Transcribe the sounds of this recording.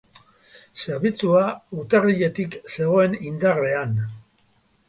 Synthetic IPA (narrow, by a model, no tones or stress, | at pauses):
se̞ɾβit͡suaut̪ariʎe̞t̪ikse̞ɣ̞o̞e̞nind̪are̞an